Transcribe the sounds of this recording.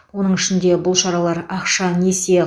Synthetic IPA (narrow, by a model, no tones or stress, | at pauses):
wo̞nəɴɪʃɪnd̪e̞bʊlˠʃɑɾɑlˠɑɾɑqʃɑne̞se